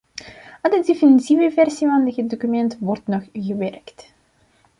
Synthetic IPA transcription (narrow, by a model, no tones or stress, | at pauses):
ədədefinitivəvɛrsivɑndəɣədokymɛntʋɔrtnɔχɣəʋɛrkt